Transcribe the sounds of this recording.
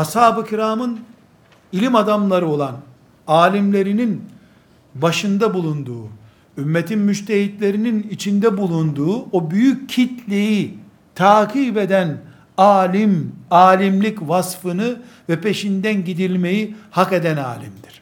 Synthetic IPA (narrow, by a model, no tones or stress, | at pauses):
hashaːbɯcʰiɾaːmɯn | ilʲimad̪amlˠaɾɯo̞lˠan | aːlʲimlʲe̞ɾinin | baʃɯnd̪abulˠund̪uː | ymːet̪ʰinmyʃt̪ʰeɦit̪lʲe̞ɾininit͡ʃʰind̪ɛbulˠund̪uːobyjycʰːit̪lʲeji | t̪ʰaːkʰiːbe̞d̪æn | aːlʲimaːlʲimlʲicvasfɯnɯ | vɛpʰe̞ʃind̪ænɟid̪ilʲme̞jihake̞d̪æna̰ːlʲimd̪iɾ̥